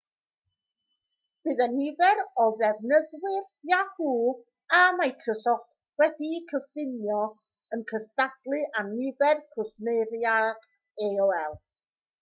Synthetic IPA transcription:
b̥ɨðanɪvɛɾɔvɛvnəðwɪr | jahuː | amajkʰrɔsɔt | wɛdikʰəfɪnjɔ | ənkʰəstadlˠɨʔamnɪvɛrkʰʊsnejɾjad̥ | eɔɛlˠ

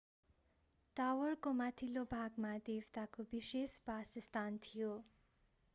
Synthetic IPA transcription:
t̪awʌrkomat̪ʰilobʱaɡmad̪ewt̪akobisespasist̪ant̪ʰijo

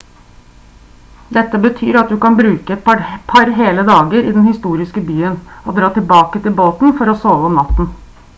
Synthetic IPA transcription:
d̪ɛt̪ːəbət̪ʰyːɾɑt̪̚d̪ʉkɑnbɾʉːkəɛt̪ppʰɑɾɦeːləd̪ɑːɡəɾɪd̪ɛnhɪst̪uːɾɪskəbyːənɔd̪ɾɑːt̪ɪlbɑːkət̪ɪlboːt̪n̩fɔɾɔsoːʋəɔmnɑt̪n̩

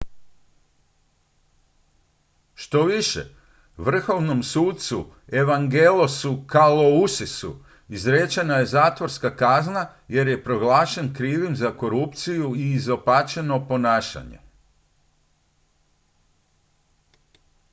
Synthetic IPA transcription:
ʃt̪o̞ʋiʃḛ | ʋr̩xo̞ʋno̞msuːt̪̚t̪su | e̞ʋaŋɡelosukalousisṵ | izɾet͡ʃenaje̞zaːt̪ʋo̞ɾskakaznaje̞ɾje̞pɾo̞ɡlaːʃe̞nkɾiːʋimzako̞ɾupt̪sijuiːzo̞paːt͡ʃe̞no̞po̞naːʃa̰ɲḛ

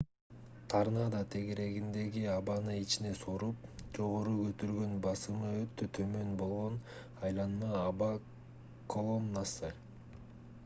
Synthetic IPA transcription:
t̪ʰɑɾnɑd̪ɑt̪ʰe̞ɡe̞ɾe̞ɡind̪e̞ɡiɑβɑnɯit͡ʃine̞soɾup̚d͡ʒo̞ʁo̞ɾukøt̪yɾɡø̞nbɑsɯmɯøt̪ːøt̪ʰø̞mø̞nbo̞lˠʁo̞n | ɑjlˠɑnmɯɑβɑ | kʰo̞lˠo̞nːasɯ

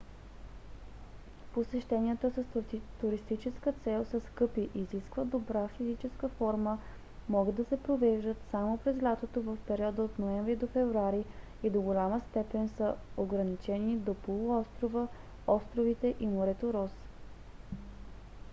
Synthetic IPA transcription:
posɛʃt̪ɛniət̪əsəst̪uɾist̪it͡ʃɛskət̪sɛlˠsəskɤpiʔiziskvəd̪obɾafizit͡ʃɛskəfɔɾmə | mɔɡəd̪ːɐsɛpɾovɛʒd̪ət̪samopɾɛzlʲat̪ot̪ovəfpɛɾiɔd̪əot̪noɛɱvɾid̪ofɛvɾuaɾi | id̪oɡolʲaməst̪ɛpɛnsəoɡɾɐnit͡ʃɛnid̪opolˠʊɔst̪ɾovə | ɔst̪ɾovit̪ɛʔimoɾɛt̪oɾɔs

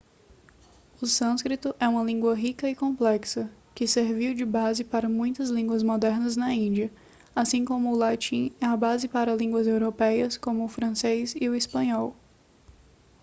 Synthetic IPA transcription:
ʊsɐ̃skɾit̪ʊʔɛũmɐlĩŋɡwɐɦikɐɪkõplɛksɐ | kɪseɾviwd͡ʒɪbazɪpaɾɐmũj̃t̪ɐzlĩŋɡwɐzmɔd̪ɛɾnɐznɐĩd͡ʒiɐ | asĩkõmʊːlat͡ʃĩɛɐbazɪpaɾɐlĩŋɡwɐzewɾopɛjɐskõmʊːfɾɐ̃sezɪʊispɐ̃ɲɔw

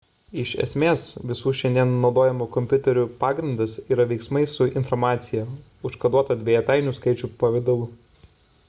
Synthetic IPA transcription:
ɪʃɛ̰sʲmʲeːsʋʲɪsuːʃʲɛnʲd̪ʲiɛnːɒʊd̪oːjɛmuːkɔmʲpʲʊt̪ʲɛɾʲuːpɑːɡɾʲɪnd̪ɐsiːɾɐʋʲɛɪksmɐɪsʊɪnfɔɾmɑːt̪sʲɪjɛ | ʊʃkɐd̪uɔt̪ɐd̪ʲʋʲeːjɛt̪ɑˑɪnʲuːskɐɪt͡ʃʲuːpɐʋʲɪd̪ɐlˠʊ

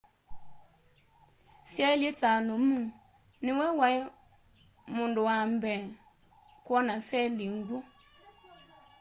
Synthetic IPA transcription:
siɛlitanomũ | nɪwɛwai | mʊ̃ndowambɛ | kwɔnasɛliŋɡu

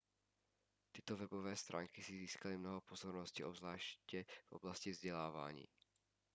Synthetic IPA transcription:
t̪ɪt̪ɔvɛbovɛːst̪ɾʔa̰ːŋkisiziːskalimnɔɦɔpozɔɾnɔscḭːʔobzlaːʃcɛvʔo̰blascivzɟɛlaːva̰ːɲḭː

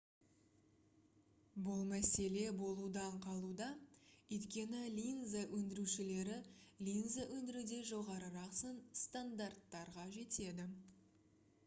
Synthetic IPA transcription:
bʊlˠmæse̞le̞bo̞lˠud̪ɑɴqʰɑlˠud̪ɑɵjt̪kʲe̞nɪlʲinzawʔɵnd̪ɪɾuʃɪle̞ɾɪlʲinzaʔɵnd̪ɪɾud̪e̞ʒo̞ʁɑɾəɾɑqsənst̪and̪art̪ːɑɾʁɑʒe̞t̪e̞d̪ɪ

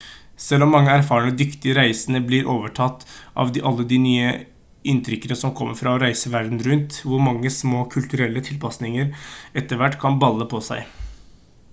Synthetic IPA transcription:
sɛlːɔmːɑŋːəæɾfɑːəɳəd̪ʏkt̪ɪəɾæɪsənəblɪɾʔoːʋəʈʰɑt̪ːʔɑ̰ʋd̪ɪːʔɑlːəd̪inyːə | ɪnt̪ʰɾʏkːənəsɔmkʰɔmːəɾfɾɑɔɾæɪsəʋæɾd̪n̩ɾʉnt̪ʋʊɾmɑŋːəsmoːkʰʉlt̪ʉɾɛlːət̪ʰɪlpʰɑsnɪŋəɾɛt̪ːəɾʋæʈːkʰɑnbɑlːəpʰɔsæɪ

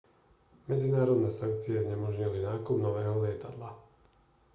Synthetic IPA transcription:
mɛd͡zinaːɾɔd̪nɛːsaŋk̚t͡siɛzɲɛmɔʒɲilinaːkubnɔʋɛːɦɔlɪɛt̪ad̪la

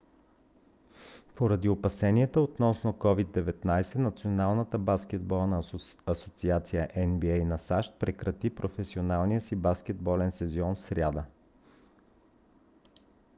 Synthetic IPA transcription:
poɾɐd̪iopɐsɛniɛt̪əot̪nɔsnokɔvid̪ːɛvɛt̪najsɛnɐt̪sionalˠnət̪əbaskʲɛd̪bɔlˠnəɐsot̪siat̪sijəʔɛnbiɛjnɐsaʃt̪̚pɾɛkɾɐt̪ipɾofɛsionalˠnijəsibaskʲɛd̪bɔlɛnsɛziɔnsɾʲad̪ə

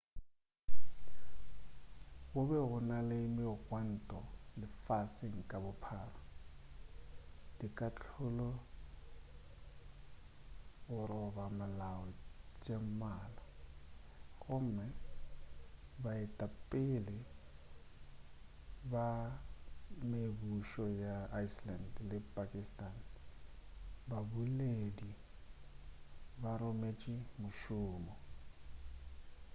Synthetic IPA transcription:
ɣʊbɛɣʊnalɪmɪʊɣʼwan̩tʼɔlɪfasɪŋ̩kʼabʊpʰaːra | d̥ikʼat͡ɬʰʊlɔ | ɣʊɾɔbamalaɔt͡ʃʼem̩maːla | ɣʊm̩mɛ | baɪtʼapʼɪlɪ | ba | mebuʃɔjaːislandlɪpʼakʼistʼan | babuledi | baɾʊmet͡ʃʼɪmʊʃʊːmɔ

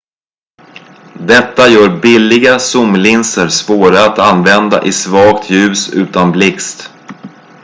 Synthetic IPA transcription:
d̪ɛt̪ːajœːɾbɪlːɪɡasʊmlɪnsəɾspoːɾaːt̪anvɛnd̪a̰ʔɪsvɑːkt̪ʰjʉ̟ːsʉ̟ːt̪anblɪkst̪

